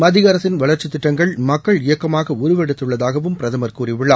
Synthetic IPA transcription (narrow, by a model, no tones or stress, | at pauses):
mɐðɪɣɐɾɐt̪ːɪnʋɐɭɐɾt͡ʃːɯt̪ːɪʈːɐŋɡɐɭmɐkːɐɭɪjɐkːɐmaːɣɐʊɾʊʋɛɽɯt̪ːɯɭːɐðaːɣɐʋɯmpɪɾɐðɐmɐɾkuːriʋɪɭːaː